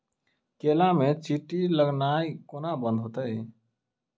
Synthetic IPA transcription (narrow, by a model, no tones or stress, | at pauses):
kelamet͡ʃiʈiləɡnaikonabə̃nd̪ʱɦot̪əj